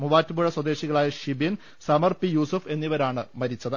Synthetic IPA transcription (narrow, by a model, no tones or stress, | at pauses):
muʋaːtːubuɻɐswɐd̪e̞ːɕiɣɐɭaːjɐɕibin | sɐmɐrpijuːsufe̞nːiʋɐɾaːɳɨmɐɾit͡ɕːɐðɨ